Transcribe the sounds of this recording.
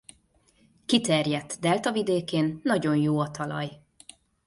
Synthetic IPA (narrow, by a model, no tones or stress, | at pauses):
kit̪ɛrjɛt̪ːd̪ɛlt̪ɒvid̪eːkeːnːɒɟo̞njoːɒt̪ɒlɒ̰j